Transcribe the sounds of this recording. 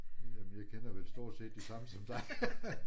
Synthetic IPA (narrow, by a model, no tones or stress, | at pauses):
jemnjɑ̈ɪkʰenɐʋesd̥o̝ɐ̰d̥se̝̰ːd̥ːisɑ̈məsɒ̽md̥ɑ̈ɪ